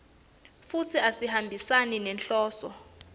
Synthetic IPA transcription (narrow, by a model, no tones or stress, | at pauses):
fut͡sʰiasihambʱisaninɛnɬɔːsɔ